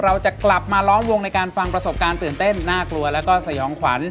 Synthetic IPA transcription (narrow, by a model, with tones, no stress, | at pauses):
ɾa˧wt͡ɕa˨˩kla˨˩p̚maː˧lɔː˦˥mwo˧ŋna˧jkaː˧nfa˧ŋpɾa˧so˨˩p̚kaː˧nt̪ɯː˨˩nt̪e˥˩nːaː˥˩klu˧ɐlɛː˦˥wkɔː˥˩sa˧jɔː˩˦ŋkʰwa̰˩˦˥n